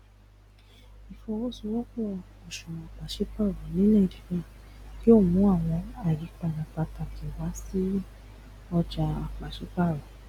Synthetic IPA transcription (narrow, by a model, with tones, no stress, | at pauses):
i˨fɔ˧wo˦˨su˧wɔ˦kɔ˦˨ | ɔ˨ʃũ˨˧a˧˨k͡pa˨ʃe˦k͡pa˦˨ɾɔ˨˦nĩ˦nɛ̃˦˨di˨ɾĩ˦˨ki˦o˦˨mũ˨˦a˦˨w̃ɔ̃˧a˨ji˨˦k͡pa˧˨ɾa˨k͡pa˧ta˧kʰi˨wa˨˦si˦ | ɔ˧d͡ʒa˧a˨k͡pa˨ʃe˨˦k͡pa˦˨ɾɔ˨